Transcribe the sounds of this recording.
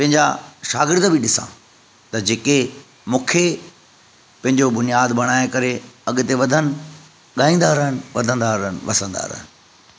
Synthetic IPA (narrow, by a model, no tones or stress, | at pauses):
pɐ̃ɦɪ̃ɲd͡ʑa̰ʃaːɡɪɾd̪bʱɪɗɪsã̰ | t̪ɐd͡ʑeːke | mũːkʰe | pɐ̃ɦɪ̃ɲd͡ʑobʊnijaːd̪bɐɽ̃aːekɐɾeɐɠt̪eʋɐd̪ʱənɪ̆ | ɠaːĩːn̆d̪aːɾəɦənɪʋɐ̰d̪ʱə̃nd̪aɾəɦənɪ̆ʋɐsə̃nd̪a̰ːɾə̰ɦɪnɪ̆